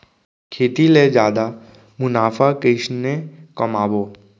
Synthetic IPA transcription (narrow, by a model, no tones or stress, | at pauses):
kʰeːt̪iled͡ʒjaːd̪a | mʊnaːfʰakeɪʃnekɐmaːboː